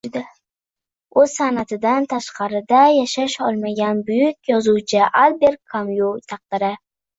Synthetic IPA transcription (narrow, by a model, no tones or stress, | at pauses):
d̪ɪ | ɵz̥sanat̪ʰɪd̪ant̪ʰaʃqɑɾɪd̪ajaʃaʃɒlˠmaɡʲanbʊjʊkʲjɒzuwt͡ʃʰɪʔalˠbe̞ɾkʰːamjut̪ʰɑq̚d̪ɪɾɪ